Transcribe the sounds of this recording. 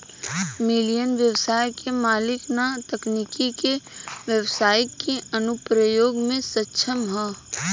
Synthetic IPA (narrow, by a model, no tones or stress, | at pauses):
mɪlijənʋjəwsaːjkʰemaːlɪknat̪ɐknikikeʋjəwsaːjkːeənʊpɾəjoːɡmẽsətːʃʰəmɦɛː